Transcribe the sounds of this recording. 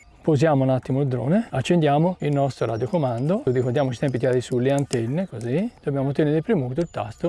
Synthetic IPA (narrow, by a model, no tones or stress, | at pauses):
pozjaːmounat̪ːimoild̪ɾo̰ːneat͡ʃːend̪jaːmoilnɔst̪ɾoɾa̰ːd̪jokomand̪oud̪ikoɾd̪jaːmot͡ʃi̥t̪ɛmp̬it̪iaːd̪isulːeant̪ɛnːekozid̪̥objaːmot̪ɛneɾeipɾimut̪oilt̪a̰st̪o